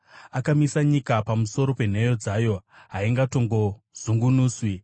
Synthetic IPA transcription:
akamisaɲikapamuso̞ɾo̞pe̞n̤e̞jo̞d͡zaːjo̞ɦaiŋɡato̞ŋɡo̞ | z̥uŋɡunuːswi

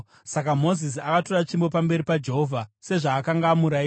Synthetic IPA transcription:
sakamo̞zis̬iakato̞rat͡ʃimbo̞p̬ambe̞ɾipad͡ʒe̞ɦovʱase̞ʐaːkaŋɡamuɾai

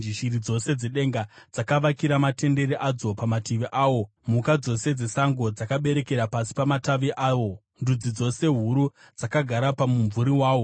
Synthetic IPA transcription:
d͡ʒiʃiɾid͡zo̞se̞d͡zeɗe̞ŋɡad͡zakaʋakiɾamate̞nde̞ɾiʔad͡zo̞pamatiʋiʔaːwo̞ | mukad͡zo̞se̞d͡ze̞saŋɡo̞d͡zakaɓe̞ɾe̞ke̞ɾapasi̥pamataʋiʔaːʋo̞ | ndud͡zid͡zo̞se̞ɦuɾu | d͡zakaɡʱaɾapamuɱvuɾiwaːwo̞

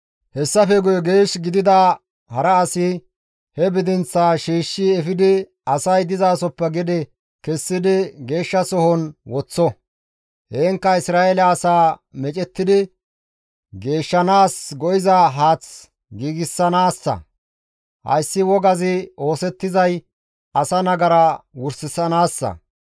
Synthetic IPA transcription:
hɛsːɐfɛɡʊjɔɡeːʃɡɪd̪ɪd̪ɐ | hɐɾɐːsɪ | hɛbɪd̪ɪnt͡sːaːʃiːʃːɪɛfɪd̪ɪ | ɐsɐjd̪ɪzaːsɔpːɛɡɪd̪ɪ | kɛsːɪd̪ɪɡe̞ːʃːɐsɔhɔnwɔt͡sːɔ | heːŋkːɐɪsɾaːelɛːsaːmɛt͡ʃʼɛt̪ːɪd̪ɪ | ɡe̞ːʃːɐnaːsɡɔjɪzɐɦaːt͡s | ɡiːɡɪsːɐnaːsːɐ̰ | hɐ̰jsːɪwɔɡɐzɪo̞ːsɛt̪ːɪzɐj | ɐsɐnɐɡɐɾɐwʊɾsɪsɐnaːsːɐ̰

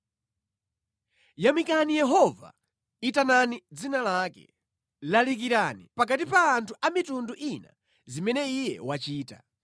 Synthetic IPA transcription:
jamikanijɛɦɔva̰ | itananid͡zinalaːkɛ̰ | lalik̬iɾanipak̬atipaːntʰuʔamitunduʔina̰ | zimɛnɛijɛ̰wat͡ʃiːta

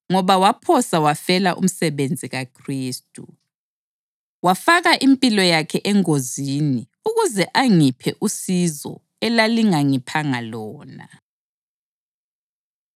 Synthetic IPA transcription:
ŋɔβawapʰɔsawafɛlaʔṵm̩sɛβend͡zʱiɣakʰriːstʼu | wafaɣaʔimpʼilɔjakʰɛʔɛŋozini | uɣuzɛʔaŋipʰɛʔusizɔ̰ | ɛlaliŋaŋipʰaŋalɔːna̰

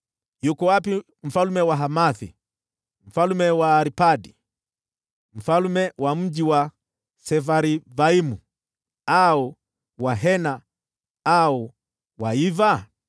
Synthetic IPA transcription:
jukɔwapi | m̩falumɛwaɦamaθḭ | m̩falumɛwaːɾipadi | m̩falumɛwʔam̩d͡ʒiwa | sɛvaɾivaimu | au | waɦɛna | au | waiva

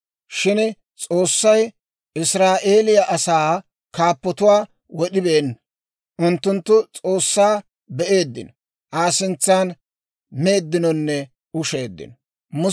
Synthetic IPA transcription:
ʃɪn | t͡sʼo̞ːsːɐj | ɪsɾaːʔeːlɪjɐʔɐsaː | kaːpːɔt̪ʊwaː | wɔɗɪbe̞ːnːɐ | ʔʊnt̪ːʊnt̪ːʊt͡sʼo̞ːsːaː | bɛʔe̞ːd̪ːɪ̰nɔ | ʔaːsɪnt͡sːaːn | me̞ːd̪ːɪnɔnːɛ | ʊʃe̞ːd̪ːɪ̰nɔ | mʊ

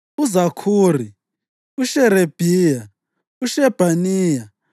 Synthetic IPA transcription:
uzakʰuːri | uʃɛɾeb̥ʱija | uʃɛb̥ʱaniːja

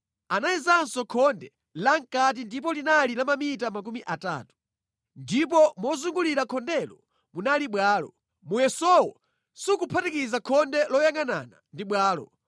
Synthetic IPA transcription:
anaizansɔkʰɔndɛ | laŋkat̬indip̬ɔlinalilamamitamak̬umiʔata̰ːtu̥ | ndip̬ɔmɔzuŋɡuliɾakʰɔndɛlɔ | munaliɓwaːlɔ̰ | mujɛsɔwɔ̰ | sukupʰatikizakʰɔndɛlɔjaŋana̰na̰ndiɓwaːlɔ̰

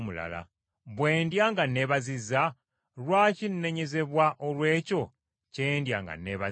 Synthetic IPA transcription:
mula̰la̰ | βwe̞ːndjaŋɡane̞βazizːa | lwaːcinːe̞ɲe̞ze̞βwaʔolwe̞ːco̞ | ceːndja̰ŋɡa̰neβa

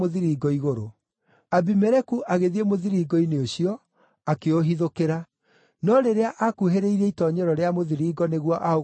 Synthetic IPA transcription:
oðiɾiɡɔiɣoɾo | abimɛɾɛkuʔaɣeðiemoðiɾiːɡɔineoɕiɔ | akeoɦiðokeɾa | nɔɾeɾeaʔakuɦeɾeiɾɛitɔɲɛɾɔɾeamoðiɾiːɡɔneɣwaʔao

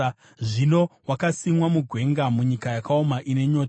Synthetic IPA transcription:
ʐino̞wakasimwamuɡʱwe̞ŋɡamuɲikajakaomaʔine̞ɲo̞ːta

